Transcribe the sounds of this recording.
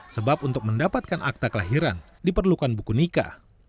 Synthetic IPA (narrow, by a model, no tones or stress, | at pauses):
səbapunt̪ʊk̚məndapat̪̚kanʔa̰k̚t̪akəlaɦiɾa̰n | dipərlukanbukunika̰